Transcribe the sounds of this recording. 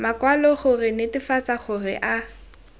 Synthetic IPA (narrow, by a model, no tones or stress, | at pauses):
makwalɔχʊrɪnɪtɪfat͡saχʊrɪ̰ʔa